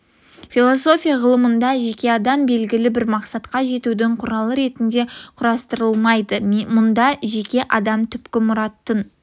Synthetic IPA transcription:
filˠo̞so̞fʲijaʁəlˠəmənd̪ɑʒe̞kʲe̞ɑd̪ɑmbe̞lɡʲɪlɪbɪɾmɑqsɑt̪qɑʒe̞t̪ud̪ɪɴqʰʊɾɑlˠəɾe̞t̪ɪnd̪e̞qʰʊɾɑst̪əɾəlˠmɑjd̪əmʊnd̪ɑʒe̞kʲe̞ʔɑd̪ɑmt̪ʰʏpkʲɪmʊɾɑt̪ːən

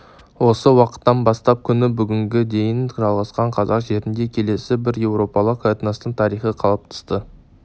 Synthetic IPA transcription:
wo̞səwɑqə̥t̪ːɑnbɑst̪ɑp̚kʲʰʏnɪbʏɡʲɪŋɡʲɪd̪e̞jɪnʒɑlˠʁɑsqɑɴqʰɑzɑqʒe̞ɾɪnd̪e̞kʲʰe̞le̞sɪbɪɾje̞wɾo̞pɑlˠəqʰːoet̪ənɑst̪əɴt̪ʰɑɾijχəqʰɑlˠəp̚t̪ʰə̥st̪ə

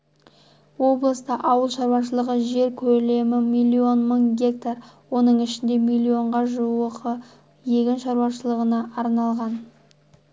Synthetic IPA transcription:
wo̞blˠəst̪əʔɑwəlˠʃɑɾwɑʃ̬əlˠəʁəʒe̞ɾkʲʰɵle̞mɪmilʲːio̞nməɴɡʲe̞k̚t̪arwo̞nəɴɪʃɪnd̪e̞mijlʲio̞ɴʁɑʒuəqʰə | je̞ɡʲɪnʃɑɾwɑʃəlˠəʁənɑʔɑɾnɑlˠʁɑn

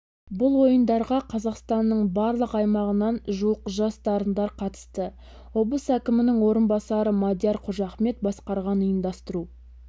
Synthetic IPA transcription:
bʊlˠwo̞jənd̪ɑɾʁɑqʰɑzɑqst̪ɑnːəɴbɑɾlˠəqɑjmɑʁənɑnʒuwəqʒɑst̪ɑɾənd̪ɑɾqʰɑt̪ə̥st̪ə | wo̞bˠəsækʲɪmɪnɪŋwo̞ɾənbɑsɑɾəmad̪ʲjɑɾqʰʊʒɑχme̞t̪̚bɑsqɑɾʁɑnəjənd̪ɑst̪əɾu

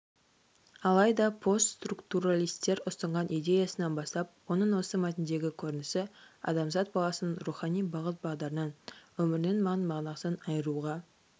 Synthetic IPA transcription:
ɑlˠɑjd̪ɑpʰo̞st̪st̪rukt̪uɾalˠijst̪ːe̞ɾʊst̪ɑɴʁɑnʔid̪e̞jɑsənɑnbɑst̪ɑp̚wo̞nəɴwo̞səmæt̪ɪnd̪e̞ɡʲɪkʲʰɵɾɪnɪsɪɑ̰d̪ɑmzɑt̪̚bɑlˠɑsənəɴruχɑnijbɑʁət̪̚bɑʁd̪ɑɾənɑnwɵmɪɾɪnenmɑʁnmɑʁnɑsənɑjəɾuʁɑ

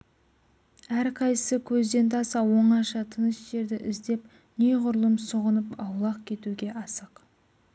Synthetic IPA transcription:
æɾqʰɑjsəkʲʰɵzd̪e̞nt̪ʰɑsɑwo̞ɴɑʃɑt̪ʰənəsʒ̥e̞ɾd̪ɪʔɪzd̪e̞p | nejʁʊɾlˠəmsʊʁənəpɑwlˠɑq̚kʲʰe̞t̪uɡʲe̞ʔɑsəq

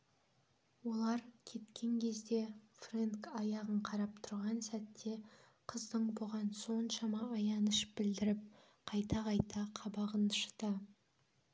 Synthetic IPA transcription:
wo̞lˠɑɾkʲʰe̞t̪kʲʰe̞ŋkʲʰe̞zd̪e̞frenkɑjɑʁəɴqʰɑɾɑp̚t̪ʰʊɾʁɑnsæt̪ːe̞ | qʰəzd̪əɴbʊʁɑnso̞nʃɑmɑːjɑnəʃp̚bɪld̪ɪɾɪp̚ | qʰɑjt̪ɑqʰɑjt̪ɑqʰɑbɑʁənə̥ʃt̪ə

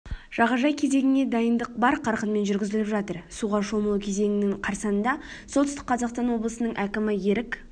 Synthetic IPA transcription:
ʒ̥ɑʁɑʒɑjkʲʰe̞ze̞ɡʲɪne̞d̪ɑjənd̪əq̚bɑɾqʰɑɾqənme̞nʒʏɾɡʲɪzɪlɪpʒɑt̪əɾsuʁɑʃo̞məlˠukʲʰeze̞ŋɪnɪŋqʰɑɾsɑnənd̪ɑso̞lt̪ʏst̪ɪk̚qɑzɑqst̪ɑnwo̞blˠəsənəɴʔækʲɪmɪje̞ɾɪk

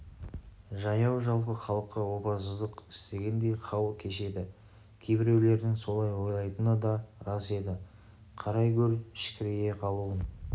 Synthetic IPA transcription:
ʒɑjɑwʒɑlˠpəχɑlˠəqːɑwo̞pɑsəzd̪əqɪst̪e̞ɡʲend̪e̞jχʰɑwkʲʰe̞ʃe̞d̪ɪ | kʲʰejbɪɾe̞wle̞ɾd̪ɪŋso̞lˠɑjwo̞jlˠɑjt̪ənɑd̪ɑɾɑse̞d̪ɪ | qʰɑɾɑjkʲʰɵɾʃɪ̥kʲɪɾeje̞qʰɑlˠuwən

